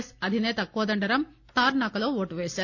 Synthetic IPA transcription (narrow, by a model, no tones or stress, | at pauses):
sɐd̪ʱɪneːt̪ɐkoːd̪ɐɳɖɐɾɐm | t̪aːɾnaːkːɐloːʋoːʈːʋeːsɐ